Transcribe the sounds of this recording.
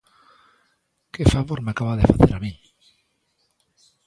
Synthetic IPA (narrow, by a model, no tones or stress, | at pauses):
kefaβoɾmeakaβaðefaθeɾamĩŋ